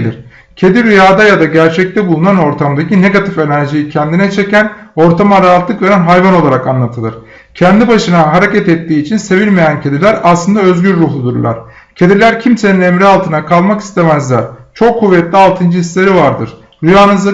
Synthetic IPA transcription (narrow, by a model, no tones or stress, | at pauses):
lʲḭɾ̥ | cʰe̞d̪iɾyjaːd̪ajad̪aɟæɾt͡ʃʰɛc̚t̪ɛbulˠunano̞ɾt̪ʰamd̪acine̞ɡat̪ʰife̞næɾʒijicʰɛnd̪inɛt͡ʃʰe̞cæno̞ɾt̪ʰamaɾaat̪lˠɯkve̞ɾænɦajvano̞lˠaɾakanlˠat̪ʰɯlˠɯɾ̥ | cʰɛnd̪ibaʃɯnaɦaɾecɛt̪ɛt̪ːiːt͡ʃʰinse̞vilʲmejæncʰe̞d̪ilʲæɾaslˠɯnd̪aø̞zɟyɾːuɦlˠud̪uɾlˠa̰ɾ̥ | cʰe̞d̪ilʲæɾcʰimse̞ninemɾialˠt̪ʰɯnakʰalˠmaki̥st̪ʰe̞mæzlʲæɾ̥t͡ʃʰo̞kʰːuvːɛt̪lʲialˠt̪ʰɯnd͡ʒɯislʲe̞ɾivaɾd̪ɯɾ̥ | ɾyjaːnɯzˠa